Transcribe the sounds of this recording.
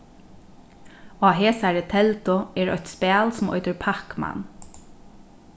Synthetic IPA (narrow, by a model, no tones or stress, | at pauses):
aːɦeːsaɹət̪ʰɛlt̪ʊɛːɹœ̰çt̪spæːlsʊmɔ̰ʏt̪əɹpʰakma̰n